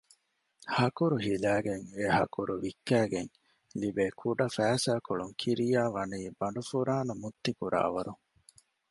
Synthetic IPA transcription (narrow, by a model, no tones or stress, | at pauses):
hɐkuɾuɦilæːɡeŋehɐ̰kuɾuʋikːæːɡeŋ | libeːkʰuɖɐfæːsaːkoɭuŋkʰiɾijaːʋɐniːbɐɳɖufuɾaːnɐmut̪ːikuɾʔa̰ːʋɐɾuŋ